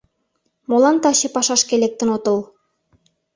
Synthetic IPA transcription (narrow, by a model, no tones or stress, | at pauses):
molˠɑnt̪ɑɕĕpɑʃɑʃkelʲek̚t̪ɘ̆not̪ɤ̆lˠ